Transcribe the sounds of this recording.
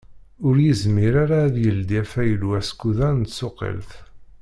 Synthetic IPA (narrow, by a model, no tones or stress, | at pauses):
ʊɾjizmiɾaɾaːðjəld̪ifæjəlwæskːuðæɾnt̪soqḭlθ